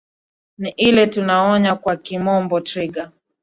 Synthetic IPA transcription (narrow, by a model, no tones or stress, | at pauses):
niʔilɛtunaɔɲakwakimɔmbɔtɾiɡa